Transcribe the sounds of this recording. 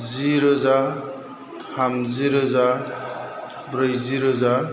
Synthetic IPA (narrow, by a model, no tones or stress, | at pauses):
ziɾoza | hamziɾoza | bɾɯjziɾoza